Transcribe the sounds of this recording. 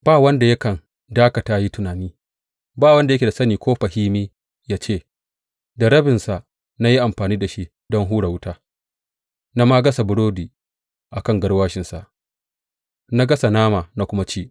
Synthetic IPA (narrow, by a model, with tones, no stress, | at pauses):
b̥aː˦˨wɐ˦nda˨jɐ˦kɐ˨n | daː˦kɐ˨taː˦ji˦tʊ˨naː˨niː˦ | baː˦˨wɐ˦nda˨jkʲe˨da˨sɐ˦niː˨kʷoː˦ɸa˨hiː˦miː˦ | jaː˦t͡ʃeː˦˨ | dɐ˨ɾɐ˦bɪ˨nsa˨ʔ | na˦ji˦ʔa˨mɸaː˨niː˦da˨ʃi˦ʔ | dɔ˦ŋɦuː˦ɽa˨wʊ˦taː˦ | na˦ma˦ɡɐ˦sa˨bʊ˨˦ɽoː˦diː˨ | ʔa˨kɐ˦ŋɡɐ˦ɽwaː˦ʃɪ˨nsa̰˨ʔ | na˦ɡɐ˦sa˨naː˦ma˨na˦kʷʊ˦ma˦t͡ʃiː˦˨